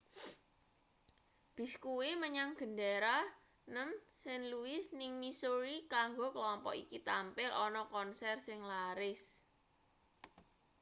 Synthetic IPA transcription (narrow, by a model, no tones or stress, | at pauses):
b̥i̤skuweməɲaŋɡ̥ə̤ndaɾa | nəmsɛnluɪsnɪŋmisoɾikaŋɡokəlɔmpɔ̰ʔḭkit̪ampɪlʔɔnɔkɔnsɛrsɪŋlaɾɪs